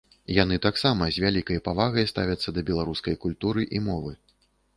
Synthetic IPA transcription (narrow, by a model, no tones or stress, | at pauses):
janɨt̪aksamɐzʲvʲalʲikɐjpavaɣɐjst̪a̰vʲɐt̪sːɐd̪ɐbʲɛlˠaɾuskɐjkulʲt̪uɾɨʔimɔvɨ